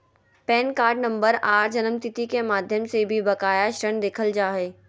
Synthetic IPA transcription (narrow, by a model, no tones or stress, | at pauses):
pɛːnkaːɾɖnɐ̃mbəɾaːɾd͡ʒɐnəmt̪ɪt̪ikemaːd̪ʱjəmsebʱibɐkaːjaʃɾəɳ̃d̪eːkʰəld͡ʒaːɦeː